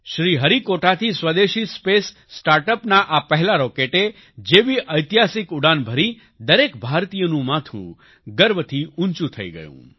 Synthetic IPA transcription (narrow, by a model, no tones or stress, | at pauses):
ʃɾiɦəɾikoʈat̪ʰisʋəd̪eʃispesː | ʈaɾʈəpnaʔapəɦɛlaɾɔkeʈe | d͡ʒebiʔəjt̪iɦasikuɽanbʱəɾi | d̪əɾekbʱaɾt̪ijənũmat̪ʰṵ̃ | ɡəɾbət̪ʰiʊnt͡ʃũt̪ʰə̰ḭɡə̰jṵ̃